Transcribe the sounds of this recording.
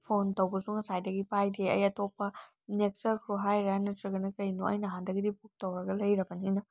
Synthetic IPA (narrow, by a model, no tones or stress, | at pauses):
pʰontɐwbɐsuŋɐsajdɐɡipajdeɐ̰jɐtopːɐ | nek̚sɐɾkʰɾoɦajɾanɐtɾɐɡɐnɐkɐjnuɐ̰jnɐɦandɐɡidipuk̚tɐwɐɡɐlɐjɾɐbɐninɐ